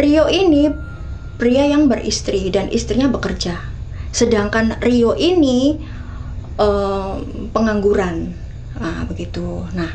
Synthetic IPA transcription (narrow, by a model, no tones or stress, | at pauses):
rioini | pɾiajaŋbərḭst̪ɾidanʔḭst̪ɾiɲabəkərd͡ʒa | sədaŋkanrioʔini | ə | pəŋaŋɡuɾan | abəɡit̪unah